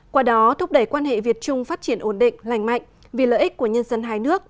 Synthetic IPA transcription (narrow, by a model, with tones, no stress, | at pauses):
kwaː˧ɗɔ˨˦t̪ʰʊ˦˥k͡p̚ɗə˧˩jkwaː˧nhḛ˧˨vi˨˩ət̚t͡ɕʊ˧ŋ͡mfaː˦˥t̚t͡ɕi˧˩ənʔo˧˩nɗḭ˧˨ŋ̟la˨˩jŋ̟ma̰˧˨jŋ̟ | vi˨˩lə̰ː˧˨ʔi˦˥k̚ku˧˩əɲə˧nzə˧nɦaː˧jnɨ˦˥ək̚